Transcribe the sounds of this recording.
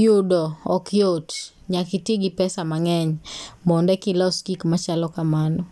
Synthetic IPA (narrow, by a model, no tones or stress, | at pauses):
judɔɔkjot | ɲakitiɡipɛsamaŋɛɲmɔndɛkilɔskikmat͡ʃalɔkamanɔ